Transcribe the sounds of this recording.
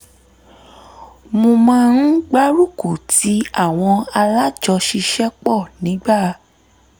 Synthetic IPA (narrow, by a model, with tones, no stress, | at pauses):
mõ˧mã˦n̩˦ɡ͡ba˦ɾu˦˨ku˨ti˨˦a˦˨w̃ɔ̃˧a˧la˦d͡ʒɔ˧ʃi˧ʃɛ˦k͡pɔ˦˨nĩ˨˦ɡ͡ba˦˨